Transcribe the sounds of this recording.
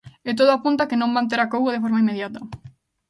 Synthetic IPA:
et̪̬oðʊapunt̪akenõmbãnt̪̬eɾakowɣoðefoɾmaimːeðjat̪ɐ

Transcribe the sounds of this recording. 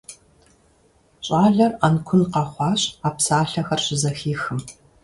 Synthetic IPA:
ɕʼaːɮɐrɐnkʷʰʊnqɑχʷɑːɕaːpsaːɬɐxɐrɕɪzɐxiːxɨm

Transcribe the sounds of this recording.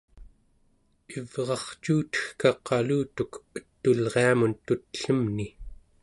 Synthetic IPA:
ivʁɑχt͡ʃuːt̪ə̥xkɑqʰːɑluːt̪ukət̪ːulʁeamunt̪ut̪ə̥ɬəmni

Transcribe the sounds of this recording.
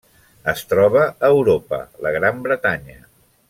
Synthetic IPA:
əst̪ɾɔβəːwɾopə̰ləɣɾambɾət̪aɲə

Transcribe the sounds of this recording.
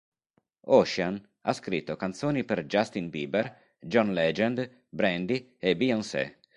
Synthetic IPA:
ɔʃan | a̰skɾit̪ːokant̪soːnipeɾd͡ʒast̪inbiːber | d͡ʒɔnlɛd͡ʒɛnd̪ | bɾɛnd̪i | ebiɔnsɛ̰

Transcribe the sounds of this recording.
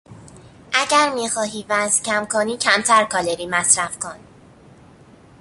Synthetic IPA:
ʔæɟæɾmiːxɒːɦiːvæzcʰæmkʰoniːcʰæmt̪ʰæɾkʰɒːleɾiːmæsɾæfkʰon

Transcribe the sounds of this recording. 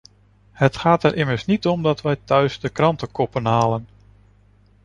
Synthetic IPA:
hətχaːtɛɹʔɪməɹsnitɔmdɑtʋɛjtœɥsdəkrɑntəkɔpənɦaːlən

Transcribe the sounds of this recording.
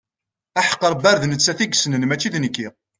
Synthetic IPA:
æħə̥qːəɾˤbæɾðnət͡sːæθiɡsnənmæt͡ʃːiðnəkːi

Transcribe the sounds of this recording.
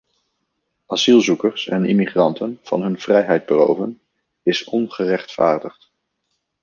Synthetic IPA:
ɑsilˠzukərsɛ̰nɪmiχrɑntʰənv̥ɑ̰nɦɵnv̥rɛjɦɛjd̚bəlo̰wvən | ɪsɔnχərɛχtfa̰ːɹdəχt

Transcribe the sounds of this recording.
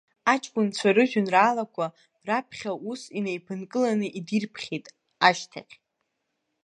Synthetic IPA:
at͡ʃʼkʷʼʊnt͡sʷʰaɾɨʒᶣʏnraːlakʷʰa | rapʰχʲaʔusinejpʰɨnkʼɨlanɨʔidirpʰχʲejtʼ | aʃtʰa̰qʲ

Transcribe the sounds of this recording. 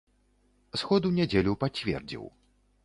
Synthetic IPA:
sxɔd̪unʲɛd͡zʲelʲupat͡sʲvʲɛ̰rd͡zʲḭw

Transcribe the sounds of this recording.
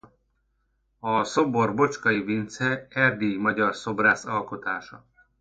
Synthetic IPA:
ɒsoborbo̞t͡ʃkɒivint̪sɛɛrd̪imɒɟɒrso̞braːsɒlko̞t̪aːʃɒ̰

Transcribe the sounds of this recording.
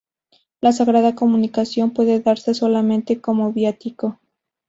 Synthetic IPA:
lasaɣɾaðako̞mũnikasjo̞mpwe̞ðe̞ðaɾse̞so̞lamẽnt̪e̞ko̞moβjat̪iko

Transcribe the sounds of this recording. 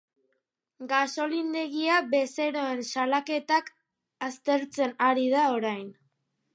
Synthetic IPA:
ɡaso̞lind̪e̞ɣiaβe̞se̞ɾo̞e̞nsalake̞t̪ak | ast̪e̞ɾt͡se̞naɾið̞ao̞ɾajn

